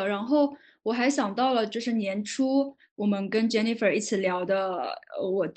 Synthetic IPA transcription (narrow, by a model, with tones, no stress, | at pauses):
ɻa˧˥nxo˥˩ʊ | wɔ˨˩xa˧˥ɪɕjɑ˨˩ŋt̪ɑ˥˩ʊlə˩t͡ɕjo˥˧ʊʂ̬ɻ̩˥˩njɛ˧˥nʈ͡ʂʰu˥ | wɔ˨˩mə˦nkə˥nt͡ɕɛ˥ni˥˩fə˞˨˩i˥˩t͡sʰɹ̩˨˧˥ljɑ˧˥ʊd̪ə˧ə˧wɔ˨˩t̪